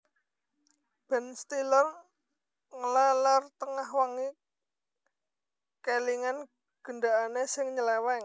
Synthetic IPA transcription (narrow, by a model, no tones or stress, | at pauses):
b̥ɛ̤nst̪ilɔr | ŋəlalart̪əŋaɦwaŋi | keliŋan | ɡ̥ə̤ndaʔanesɪŋɲəlewɛŋ